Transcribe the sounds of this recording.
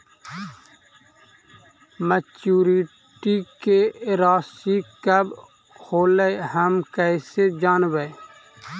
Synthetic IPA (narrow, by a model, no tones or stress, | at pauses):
mət͡ʃuːɾi | ʈikeɾaːsikəb | hoːləjɦəmkəɪsed͡ʒaːnʋə